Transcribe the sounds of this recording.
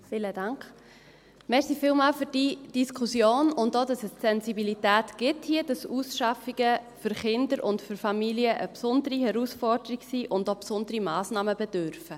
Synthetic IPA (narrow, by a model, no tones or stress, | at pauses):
fɪːlədɑŋkχ | mɛɾsifiːlmɑːlfyɾd̥id̥iskʰusjoːnʊndoːdɑsəssɛnzibilitæːtɡ̥ɪthiəd̥ɑsuːsʃɑfiɡ̥əfʏɾχɪndəɾʊndfʏɾfɑmiliəʔəpsʊndəɾihɛɾusfɔɾd̥əɾiɡsiːʔʊndopsʊndəɾimɑːsnɑːməbɛdøɾfə